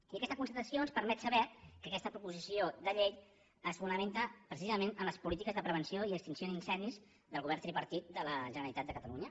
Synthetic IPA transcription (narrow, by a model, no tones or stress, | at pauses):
iəkɛst̪əkunsət̪əsionspəɾmɛt̪səβɛkəkɛst̪əpɾupuzisiod̪əʎej | əsfunəment̪əpɾəsizəmenəmləspulit̪̬ikəzðəpɾəβ̞ənsioiəkst̪insioðinsɛnd̪iz | ðəlˠɣuβɛɾnt̪ɾipəɾt̪it̪̚d̪ələʒənəɾəlit̪at̪d̪əkət̪əluɲə